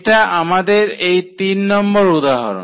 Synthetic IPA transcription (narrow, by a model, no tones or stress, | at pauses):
ʈaʔamad̪eɾejt̪inːɔmboɾud̪aɦa̰ɾo̰